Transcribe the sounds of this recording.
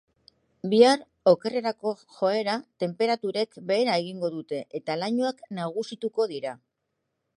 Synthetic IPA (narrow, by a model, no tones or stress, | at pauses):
biaɾ | o̞ke̞re̞ɾako̞xo̞e̞ɾat̪e̞mpe̞ɾat̪uɾe̞kbe̞ːɾae̞ɣiŋɡo̞ðut̪e̞ʔet̪alaɲuaknaɣ̞usit̪uko̞ðiɾa